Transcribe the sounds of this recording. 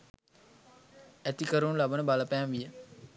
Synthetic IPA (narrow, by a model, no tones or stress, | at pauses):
æt̪ikəɾunlabənəbaləpæːmʋijə